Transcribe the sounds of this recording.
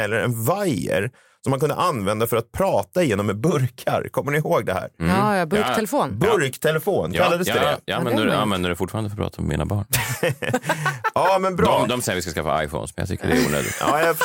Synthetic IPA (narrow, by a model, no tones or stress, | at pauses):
ɛlːəɾɛ̰nvajə̰ɾ | sɔmːankɵnd̪ə̰ʔanvɛnd̪afœɾat̪̚pʰɾɑːt̪aɪjeːnɔmːɛbɵɾkʰa̰ɾkʰɔmːəɳɪhoːɡd̪ɛɦæ̰ːɾbɾʰɛlfoːnbɵɾkt̪ʰɛlɛfoːnkʰalːad̪əsd̪ɛ̰jɑanɛnd̪əanvɛnd̪əɖɛfʊʈfɑːɾanəfɔɾpʰɾɑ̰ːt̪ʰamɛ̰mḭna̰bɑːɳ | ɑːmɛnbɾɑɔd̪ɔmsɛjːɾvɪskaskafːa̰a̰jfɔ̰ːnsmɛnja̰t̪ʏ̰kːəɖɛɛɾṵːnø̰ːd̪ɪɡt̪ɑ̰ːja